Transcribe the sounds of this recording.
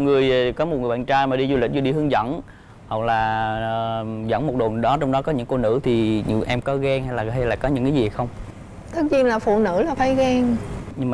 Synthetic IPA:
ŋɨ˨˩əjkɔ˨˦mo˨˩t̚ŋ˨˩ɓa̰ː˧˨nt͡ɕaː˧jmaː˨˩ɗi˧zu˧li˨˩zu˧ɗi˧hɨ˨˧əŋzə̰˧˥˨n | hɔ˨˩k̚laː˨˩ | zə̰˧˥nmo˨˩t̚ɗo˨˩nɗɔ˨˦t͡ɕɔ˧wŋ͡mɗɔ˨˦kɔ˨˦ɲɨ̰˧˥ŋko˧nɨ̰˧˥t̪ʰi˨˩˧ʔɛ˧mkɔ˨˦ɣɛː˧ŋha˧jlaː˨˩ɦa˧jlaː˨˩kɔ˨˦ɲɨ̰˧˥ŋkaː˨˦zi˨˩hxə˧wŋ͡m | t̪ə˦˥t̚ɲi˧nlaː˨˩fṵ˧˨nɨ̰˧˥laː˨˩fa˧˦jɣɛː˧ŋɲɨ˧ŋm˨

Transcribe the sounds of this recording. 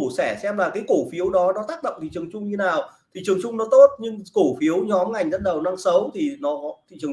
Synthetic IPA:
u˧˩sɛ˧˩sɛ˧mlaː˨˩kaː˨˦jko˧˩fi˨˦əwɗɔ˨˦nɔ˨˦t̪aː˦˥k̚ɗə̰˧˨wŋ͡mt̪ʰi˨˩t͡ɕɨ˨˩əŋt͡ɕʊ˧ŋ͡mɲɨ˧naː˨˩w | t̪ʰi˨˩t͡ɕɨ˨˩əŋt͡ɕʊ˧ŋ͡mnɔ˨˦t̪o˦˥t̚ɲɨ˧ŋko˧˩fi˨˦əwɲɔ˨˦mŋa˨˩jŋ̟zə˧˥n̚ɗə˨˩wna˧ŋsə˨˦wt̪ʰi˨˩nɔ˨˦ɔ˨˦t̪ʰi˨˩t͡ɕɨ˨˩ə˩

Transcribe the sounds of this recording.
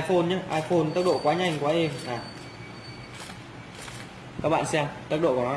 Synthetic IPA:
fo˧nɲaː˨˦ʔaː˧jfo˧nt̪ə˦˥t̚ɗo̰˧˨kwaː˨˦ɲa˨˧˩jŋ̟kwaː˨˦ʔe˧maː˨˩ | kaː˦˥k̚ɓa̰ː˧˨nsɛ˧mt̪ə˦˥t̚ɗo̰˧˨knɔ˨˦

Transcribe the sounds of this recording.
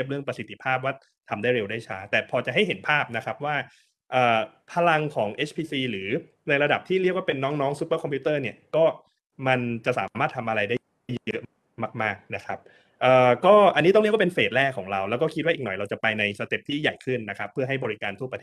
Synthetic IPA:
i˥˩əp̚ɾɯ˥˩əŋpɾa˧si˨˩t̪ʰːi˧˥pʰaː˥˩p̚waː˥˩ | t̪ʰa˧mdaː˥˩jɾe˧wdaː˥˩jt͡ɕʰaː˦˥t̪ɛː˨˩pʰɔː˧t͡ɕa˨˩ʔɦa˥˩jɦe˩˦npʰaː˥˩p̚na˦˥kʰa˦˥p̚waː˥˩ | ʔɤː˨˩ | pʰa˧la˧ŋkʰɔː˩˦ŋʔe˦˥t͡ɕʰpʰiː˧siː˧lɯː˩˦ | na˧jɾa˧da˨˩p̚t̪ʰiː˥˩ɾi˥˩ək̚waː˥˩pe˧nːɔː˦˥ŋnɔː˦˥ŋsu˦˥pːəː˥˩kʰɔ˧mpʰuː˦˥t̪ɤː˥˩ni˥˩ɐkɔː˥˩ | ma˧nt͡ɕa˨˩ʔsaː˩˦maː˥˩t̪ʰːa˧mʔa˧ɾa˧jdaː˥˩˥ | jɤ˦˥ʔ | ma˥˩k̚maː˥˩k̚na˦˥kʰa˦˥p̚ | ʔɤː˨˩kɔː˥˩ʔa˧nːi˦˥t̪ɔ˥˩ŋɾi˥˩waː˥pe˧nfeː˨˩t̪̚ɾɛː˥˩kʰːɔː˩˦ŋɾa˧wlɛː˦˥wkɔː˥˩kʰi˦˥wa˥˩ʔːknɔ˨˩jɾa˧wt͡ɕa˨˩pa˧jna˧jsa˧t̪e˨˩p̚t̪ʰiː˥˩ja̰˨˩jkʰɯ˥˩nːa˦˥kʰa˦˥pʰːɯ˥˩ɦa˥˩jbɔː˧ɾi˦˥kaː˧nt̪ʰu˥˩əpɾat̪ʰe˥˩

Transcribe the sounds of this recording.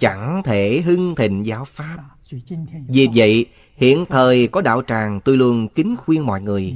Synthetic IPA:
t͡ɕa˧˩ŋt̪ʰe˧˩ɦɨ˧ŋt̪ʰḭ̈˧˨ŋ̟zaː˨˦wfaː˦˥p̚ | vi˨˩və̰˧˨j | hḭ˧˨ənt̪ʰəː˨˩jkɔ˨˦ɗa̰ː˧˨wt͡ɕaː˨˩ŋt̪u˧jlu˧ənkï˨˦ŋ̟xwi˧ənmɔ̰˧˨jŋɨ˨˩əj

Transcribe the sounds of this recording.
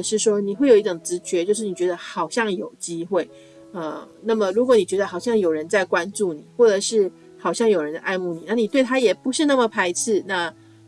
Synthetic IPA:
ʂɻ̩˥˩ʂwɔ˥ni˨˩xwe˥˩ɪjo˨˩i˥˩ʈ͡ʂo˨˩ŋt͡sɻ̩˧˥t͡ɕɥɛ˧˥t͡ɕjo˥˧ʊʂɻ̩˥˩ni˨˩t͡ɕɥɛ˧˥d̪ə˧xɑ˨˩ʊɕjɑ˥˩ŋjo˨˩ʊt͡ɕi˥xwe˥˩ɪ | ə˧na˥˩mə˩ɻu˧˥kwɔ˧˦ni˨˩t͡ɕɥɛ˧˥d̪ə˧xɑ˨˩ʊɕjɑ˥˩ŋjo˨˩ʊɻə˧˦nt͡sa˥˩ɪkwa˦nt͡su˥˩ni˨˩˦xwɔ˥˩ʈ͡ʂə˨˩ʂɻ̩˥˩ | xɑ˨˩ʊɕjɑ˥˩ŋjo˨˩ʊɻə˧˦nd̪ə˧ʔa˥˧ɪmu˥˩ni˨˩˦na˥˩ni˨˩t̪we˥˩ɪt̪ʰa˥jɛ˨˩pu˧˥ʂɻ̩˥˧na˥˩mə˨˩pʰa˧˥ɪt͡sʰɹ̩˥˩na˥˧

